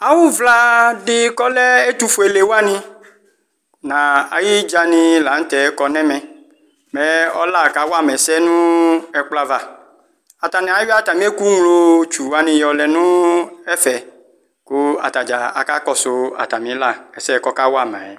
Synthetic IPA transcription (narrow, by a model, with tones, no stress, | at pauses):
a˨wu˦vla˦ɖɪ˦kɔ˦lɛ˦e˦t̪u˦fo˨e˨le˨wa˦nĩ˦ | nã˨a̰˨ji˦d͡ʒa˧nĩ˧la˨˦n̩˦t̪ɛ˨˦kɔ˦nɛ̃˦mɛ̃˨ | mɛ˦ɔ̰˦la˦˨ka˦wa˦˨mɛ˨˦sɛ˦nũ˦ɛ˦k͡pla˦va˨ | a˨t̪a˨nɛ̃˨a˨ji˦a˦˨t̪a˨mĩ˦e˦ku˦ŋlo˧t͡ʃu˨wa˦nĩ˧jɔ˨lɛ˨nũ˦ɛ˦fɛ˨ | ku˦a̰˨t̪a˨d͡ʒa˨a̰˨ka˦kɔ˦so˨a̰˨t̪a˨mĩ˨˦la˦˨ɛ˨sɛ˦˨˦kɔ˦ka˦wo˦a˦˨m˨ã̰˨jɛ˨